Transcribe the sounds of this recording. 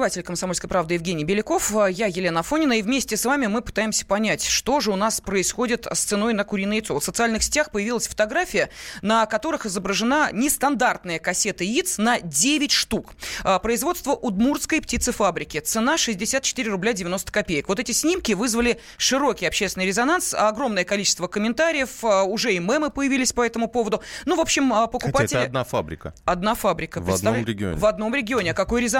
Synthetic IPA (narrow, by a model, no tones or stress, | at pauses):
ɪvatʲɪlʲkəmsɐmolʲskəjəpɾavd̪ɨjɪvɡʲenʲɪjbʲɪlʲɪko̞fəjajɪlʲenəɐfonʲɪnəivmʲesʲtʲɪsvamʲɪmɨpɨ̥t̪ajɪmsʲə̥pɐnʲætʲʂt̪o̞ʐɨʊnaspɾəɪsxo̞dʲɪt̪st̪sɨno̞jnəkʊɾʲijnəjɪt̪sovt̪sət̪sɨalʲnɨxsʲɪ̥tʲaxpəjɪvʲilˠəsʲfə̥t̪ɐɡɾafʲɪjənəkɐt̪o̞ɾɨxɪzəbɾəʐɨnanʲɪst̪ɐnd̪art̪nəjəkɐsʲe̞t̪əit̪snɐdʲevʲɪtʲʂt̪ukəpɾəɪzvo̞t̪st̪vəʔʊd̪murskəjptʲit̪sɨfabɾʲɪkʲɪt̪sɨnaʂɨzʲdʲɪsʲat̪̚t͡ɕɪ̥t̪iɾʲɪrʊblʲadʲɪvʲɪno̞st̪ə̥kɐpʲejəkvot̪ɛtʲɪsʲnʲimkʲɪvɨzvəlʲɪ | ʂɨɾo̞kʲɪjɐpɕːest̪ʲɪnɨjɾʲɪzɐnansɐɡɾo̞mnəjəkɐlʲit͡ɕɪ̥st̪vəkəmʲɪnt̪aɾʲɪjəfəʊʐɛɪmɛmɨpəjɪvʲilʲɪsʲpɐɛt̪əmʊpo̞vəd̪ʊnuvo̞pɕːɪməpəkʊpatɪɐd̪nafa̰bɾʲɪkə̰ɐd̪nafabɾʲɪkəvɐnmɾʲɪɡʲɪo̰ɪvɐd̪no̞mɾʲɪɡʲɪo̞nʲɪɐkɐko̞jɾʲɪz